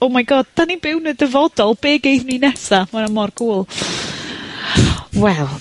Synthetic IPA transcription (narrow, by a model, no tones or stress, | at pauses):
ɔmajɡɔːd̥̚d̥anibɪwnədəvɔdɔlˠbeːɡejðninɛsamanamɔrɡʰuːlˠ | wɛlˠ